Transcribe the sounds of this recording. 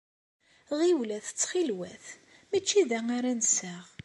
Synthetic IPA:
ʁiwlæθt͡sːχilwæθ | mit͡ʃːiðæŋaɾænsæʁ

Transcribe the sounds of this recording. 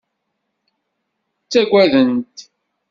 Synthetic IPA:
t͡sːæɡʷwæðənt̪

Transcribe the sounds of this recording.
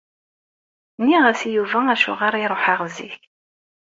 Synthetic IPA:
nːiʁæsijuvææʃʊ̰ʁɑɾˤiɾˤoħəʁzḭç

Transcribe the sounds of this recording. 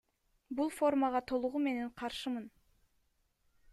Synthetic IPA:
bulˠfo̞rmɑʁɑt̪ʰo̞lˠuʁume̞ne̞ɴqʰɑɾʃɯmɯn

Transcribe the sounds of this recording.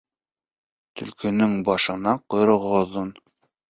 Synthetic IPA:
t̪ɵ̆lkɵ̆nɵŋbɑʃɤ̆nɑqŏjɾɤ̆ʁŏðɤn

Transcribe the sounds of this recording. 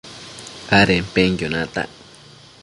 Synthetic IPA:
aɾempeŋjonãt̪a̰ʔ

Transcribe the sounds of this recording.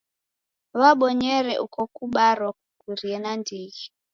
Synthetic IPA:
βaɓɔɲɛɾɛʔukɔkuɓaɾɔk̚ukuɾiɛnandiɣi

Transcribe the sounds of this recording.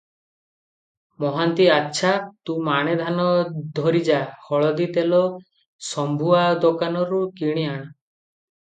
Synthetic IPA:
mɔɦant̪iatːʃʰat̪ũmaɽ̃ed̪ʱanɔd̪ʱɔɾid͡ʒahɔɭɔd̪it̪elɔ | sɔmbʱuad̪okanɔɾukiɽ̃iaɽ̃ɔ

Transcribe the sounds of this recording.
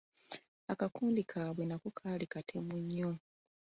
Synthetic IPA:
akakuːndikʰaːβwenakukʰaːlikatʰe̞muɲːo

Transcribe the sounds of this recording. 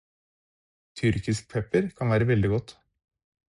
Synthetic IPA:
t̪ʰʏɾkɪsk̚pʰɛpəɾkʰɑnʋæːɾəʋɛld̪ɪɡɔt̪ː

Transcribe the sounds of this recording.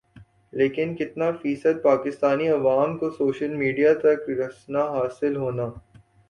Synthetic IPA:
leːkɪnkɪt̪nafiːsəd̪̚paːkɪst̪aːniɐʋaːmkosoːʃəlmiːɖijat̪ɐkɾɐsnaɦaːsɪlɦoːnaː

